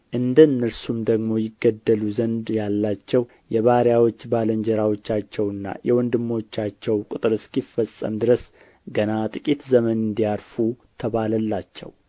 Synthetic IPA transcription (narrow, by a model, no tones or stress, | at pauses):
ʔɨnd̪ənːɨɾsumd̪əɡmo̞jɪɡːəd̪ːəluzənd̪jalːat͡ʃːɛw | jɛβaɾjawo̞t͡ʃːbaləɲd͡ʒɛɾawo̞t͡ʃːat͡ʃːɛwɨnːa̰jɛwɔnd̪ɨmːo̞t͡ʃːat͡ʃːɛwkʼɨt̪ʼɨɾɨskifəsʼːə̰md̪ɨɾəs | ɡənat̪ʼɨkʼit̪zəmənɨnd̪ijaɾfut̪ʰəβaləlːat͡ʃːɛ̰w